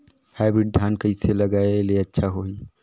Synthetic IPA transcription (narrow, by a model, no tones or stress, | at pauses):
haːɪbɾɪɖ̚d̪ʱjaːnkɐiselɐɡaːeleɐtːʃʰaɦoːiː